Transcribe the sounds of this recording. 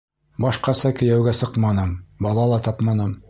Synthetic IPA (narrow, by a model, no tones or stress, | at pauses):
bɑʃqɑsɑkɘ̆jæwɡæsɤqmɑnɤmbɑlˠɑlˠɑt̪ɑpmɑnɤm